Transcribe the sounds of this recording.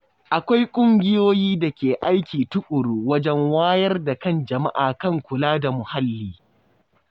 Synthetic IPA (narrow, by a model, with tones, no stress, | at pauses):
ʔa˨kʷa˦jkʷʼʊ˦ŋɡʲɪ˦joː˦jiː˦da˨kʲeː˨ʔa˦jkʲiː˨tʊ˦kʷʼʊ˨ɽuː˦wɐ˦d͡ʒɛ˦ŋwaː˦jɐ˦rda˨kɐ˦˨nd͡ʒɐ˨ma̰˦ʔaː˨kɐ˦˨ŋkʷʊ˨laː˦da˨mʊ˨ha˦lːiː˦